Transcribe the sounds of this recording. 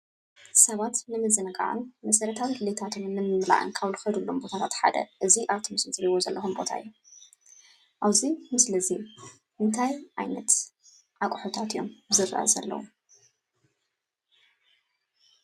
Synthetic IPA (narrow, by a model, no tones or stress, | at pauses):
sɐβat̪nɨmɨzɨnɐkʼa̰ʕa̰nmɐsɐɾɐt̪ʰawilet̪ʰat̪ʰɨnnːɨnːɨmla̰ʔɨ̰nkʰaβlxɐd̪ulːombo̞t̪ʰat̪ʰat̪ħa̰d̪ɐ̰ʔɨziʔaβt̪ʰɨmɨsmɨt̪ɾiwozɐlːʔɐxumbo̞t̪ʰa̰ɨ̰jːu | ʔaβzimɨslɐzi | ʔɨnt̪ʰajʔajnɐt̪ | ʕakʷʼħot̪ʰat̪ʰɨjo̞mbɨzɨrːa̰ʔa̰zɐ̰lːɐ̰wu